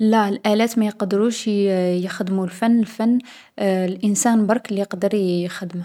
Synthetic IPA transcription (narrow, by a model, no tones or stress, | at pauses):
lælʔælæt̪mæjqd̪əɾuʃjəxəd̪mulfænːəlfænː | lʔənsænbɑɾˤklːijəqd̪əɾjəxəd̪əm